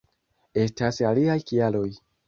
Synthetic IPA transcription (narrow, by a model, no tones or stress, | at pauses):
e̞stasaliajkialo̞j